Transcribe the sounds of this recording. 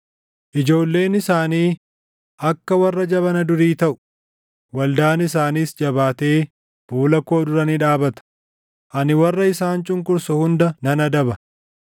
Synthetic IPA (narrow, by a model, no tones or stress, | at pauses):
ʔɪd͡ʒo̞ːlːe̞ːnɪsaːniː | ʔɐkːɐwɐrːɐd͡ʒɐβɐnɐd̪ʊɾiːt̪ɐʔʊ̥ | wɐld̪aːnɪsaːniːsd͡ʒɐbaːt̪e̞ː | b̥uːlɐkoːd̪ʊɾɐniᶑaːbɐt̪ɐ̥ | ʔɐnɪwɐrːɐɪsaːnt͡ʃʼʊŋkʼʊɾsɔhʊnd̪ɐnɐnɐd̪ɐbɐ